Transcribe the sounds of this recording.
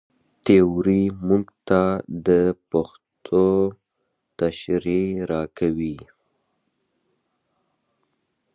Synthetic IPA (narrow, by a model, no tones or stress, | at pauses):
t̪eoɾimuɡt̪ad̪əpax | t̪ʰo | t̪aʃɾeɾɑkʰawi